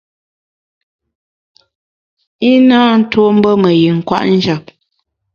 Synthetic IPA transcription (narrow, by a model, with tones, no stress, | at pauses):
i˦na˦n̩˦two˦m̩˦bə˦mə˨ji˨ŋ̩˨kwa̰˦ʔn̩˦d͡ʒa˨p̚